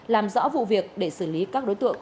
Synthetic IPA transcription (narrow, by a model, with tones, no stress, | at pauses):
laː˨˩mzɔ̰˧˥vṵ˧˨vi˨˩ək̚ɗe˧˩sɨː˧˩li˨˦kaː˦˥k̚ɗo˨˦jt̪ɨ̰˧˨əŋ